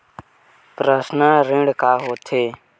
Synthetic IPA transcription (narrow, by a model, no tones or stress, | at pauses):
pɾəsnəːɾɪ̃ɽkaːɦoːt̪ʰeː